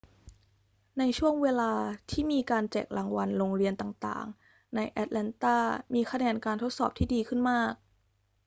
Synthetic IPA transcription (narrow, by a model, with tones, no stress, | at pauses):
na˧jt͡ɕʰu˥˩əŋweː˧laː˧t̪ʰiː˥˩miː˧kaː˧nt͡ɕɛ̰ː˨˩k̚lʔa˨˧ŋwa˧nɾoː˧ŋɾi˧ənt̪aː˨˩ŋt̪a̰ː˨˩ŋ | na˧jʔɛ˧˦˥t̪̚lɛ˧nt̪aː˥˩miː˧kʰa˧nɛː˧nkaː˧nt̪ʰo˦˥t̪̚sɔː˨˩p̚t̪ʰiː˥˩diː˧kʰɯ˥˩nmaː˥˩k̚